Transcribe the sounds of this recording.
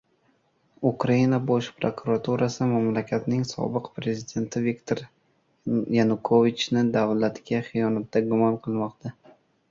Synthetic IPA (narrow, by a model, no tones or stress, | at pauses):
ukɾainabɒʃpɾokʰʊɾat̪ʰuɾʔasɪmamlakʲʰat̪nɪŋsɒ̰bɨqpɾe̞zɪd̪e̞nt̪ʰɪvikt̪ʰoɾ | janʊkʰovit͡ʃnɪd̪avlat̪ɡʲaχɨjɒnat̪d̪aɡʊmɒnqʰɨlˠmɒqt̪ʰa